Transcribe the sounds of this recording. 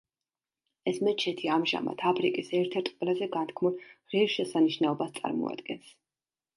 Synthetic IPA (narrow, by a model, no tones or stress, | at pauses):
ɛsmɛt͡ʃʰɛt̪ʰiamʒa̰ma̰t̪ʰapʰɾikʼisɛɾt̪ʰɛɾt̪ʰʼqʼwɛlazɛɡant̪ʰkʰmulˠʁɛɾʃɛsaniʃnɛɔbast̪sʼa̰ɾmɔ̰a̰d̪̥ɡɛns